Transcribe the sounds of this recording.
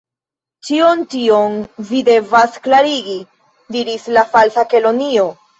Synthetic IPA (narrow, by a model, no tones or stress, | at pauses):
t͡ʃiontio̞nvide̞vasklaɾiɡi | diɾislafalsake̞lo̞nio̞